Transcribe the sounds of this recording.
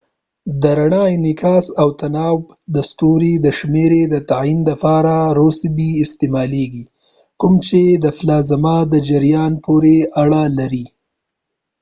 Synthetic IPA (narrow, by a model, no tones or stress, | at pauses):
d̪əɾaɳɑjnɪkɑsawt̪anɑw | d̪əst̪uɾid̪əʃmeɾed̪ət̪aind̪əpɑɾaɾosbiɪst̪ɪmɑleɡi | kʊmt͡ʃed̪əflɑzamɑd̪əd͡ʒɪɾjɑnpoɾeaɽalaɾi